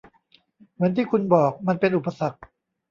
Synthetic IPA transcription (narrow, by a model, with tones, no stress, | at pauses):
mɯ˩˦nt̪ʰiː˥˩kʰu˧nbɔː˨˩k̚ma˧npe˧nʔu˨˩pːa˧sa˨˩k̚